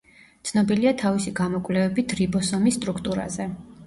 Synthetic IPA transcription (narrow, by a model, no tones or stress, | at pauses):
t̪sʰnɔbiliat̪ʰavisiɡamɔkʼwvlɛvɛbit̪ʰɾibɔsɔmisːt̪ʼɾukʰt̪ʼuɾa̰zɛ